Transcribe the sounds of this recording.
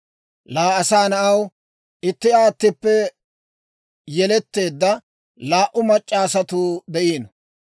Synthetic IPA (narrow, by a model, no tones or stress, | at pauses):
laːɐsaːnɐʔɐw | ʔɪt̪ːɪaːt̪ːɪpːɛ | jɛlɛt̪ːe̞ːd̪ːɐ | laːʔʊmɐt͡ʃʼːaːsɐt̪uːd̪ɛʔiːn